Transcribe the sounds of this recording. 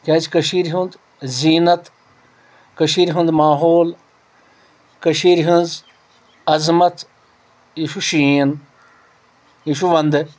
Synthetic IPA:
kʲaːt͡ʃkɐʃiːɾɦũnd̪ | ziːnɐt̪ | kɐʃiːɾɦũnd̪maːɦoːl | kɐʃiːɾɦunz | ɐzmɐt̪ | iʃuʃiːn | iʃuʋɐnd̪

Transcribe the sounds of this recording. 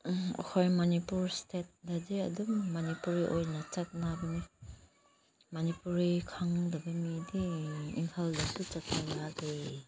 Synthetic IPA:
ɔ̰kʰojmanipuɾstet̚dadiɐ̰duŋmanipuɾiʔojnat͡ʃɐt̚nabɐmi | manipuɾikʰaŋdɐbɐmidiḭŋkʰaldasut͡ʃɐt̚ːalade

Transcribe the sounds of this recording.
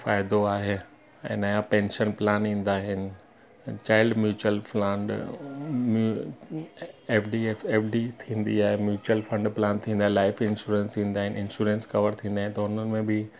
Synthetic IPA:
faːɪd̪oaːɦe | ɛ̰̃ːnaːjãpɛ̃ːnʃənplaːnĩːn̆d̪aːɦɪnɪ̆ | t͡ɕaːɪlɖmjuːt͡ɕuəlflɐ̃ɳɖ | m | eːfɖiefeːfɖit̪ʰĩːn̆d̪iaːɦemjuːt͡ɕuəlfɐ̃ɳɖplaːnt̪ʰĩːn̆d̪aɦɪ̃ɪlaːɪfɪ̃nʃuːɾẽnsĩːn̆d̪aːɦɪnʔɪ̃nʃuːɾẽnskɐʋəɾt̪ʰĩːnd̪aːɪ̃nɪ̆t̪ɐʊn̤ənɪ̆mẽbɪ

